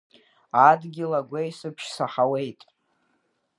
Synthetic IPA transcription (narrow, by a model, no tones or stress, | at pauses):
adɡʲɪlaɡʷajsɨpʰʃsaħawejtʼ